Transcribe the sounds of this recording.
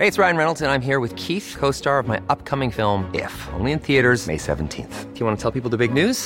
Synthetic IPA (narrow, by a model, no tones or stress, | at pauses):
heɪɨtsɹaɪɨ̃nɹɛnl̩ˠtɨ̃nãɪ̃mɦiɹwɨð̥kʰiθkʰoʊstɑɹʌvmaɪʔʌp̚kʰʌmɪ̃ŋfɪlˠmɪ̰fõ̰ʊ̃nliɨ̃nθiɨɾə˞zmḛɪsɛ̰ṽn̩tʰḭ̃nθfjɨwɑ̃nətʰɛlˠpipl̩ˠðəbɪɡ̚nʉz̥